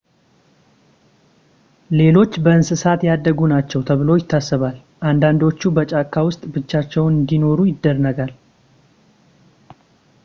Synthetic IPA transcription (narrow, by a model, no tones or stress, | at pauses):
le̞lo̞t͡ʃːbəɨnsɨsat̪jad̪ːəɡunat͡ʃːɛwt̪ʰəβɨlo̞jɪt̪ʰːasːɨβal | ʔand̪and̪o̞t͡ʃːubət͡ʃʼakːawʊst̪ʼbɨt͡ʃːat͡ʃːɛwnɨnd̪ino̞ɾujɪd̪ːərəɡal